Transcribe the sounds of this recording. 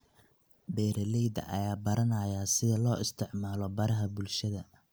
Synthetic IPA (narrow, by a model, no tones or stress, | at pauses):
bɛːɾɐlɛjd̪ɐ̰ʔɐ̰jaːbɐɾɐnɐjasɪðɐlɔːʔɪst̪ʰɪʕmaːlɔbɐɾɐɦɐbʊlʃɐðɐ